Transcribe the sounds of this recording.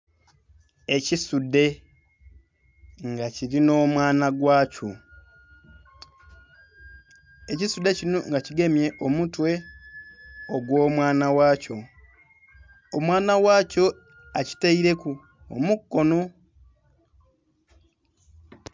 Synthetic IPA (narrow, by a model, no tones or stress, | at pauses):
e̞cisude̞ | ŋɡaciɾino̞ːmwaːnaɡwaːco | ecisude̞cinoŋɡaciɡe̞mje̞ʔo̞mutwe̞ | oɡwo̞ːmwaːnawaːco̞ | omwaːnawaːco̞ | aci̥taiɾe̞ku | o̰mukːo̞no